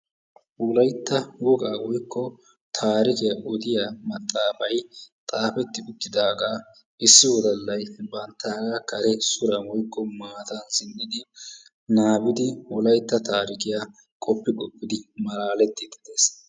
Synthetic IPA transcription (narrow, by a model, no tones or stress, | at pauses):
wɔlɐjt̪ːɐwɔɡʼaːwɔjkːɔ | t̪ʰaːɾɪkɪjɐʔɔd̪ɪjamɐt̪ʼːaːfɐjt̪ʼaːfɛt̪ːɪʊt̪ːɪd̪aːɡa | ʔɪsːɪwɔd̪ɐlːɐjbɐnt̪ːaːɡakɐɾɛsʊɾɐwɔjkːɔmaːt̪ɐnsɪnd̪ɪd̪ɪ | naːbɪd̪ɪwɔlɐjt̪ːɐt̪ʰaːɾɪkɪja | kʼɔpːɪkʼɔpʼːɪd̪ɪmɐlaːlɛt̪ːɪd̪ɪd̪eːs